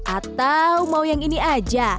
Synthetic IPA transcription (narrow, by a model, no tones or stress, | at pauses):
ʔat̪awmaujaŋiniad͡ʒa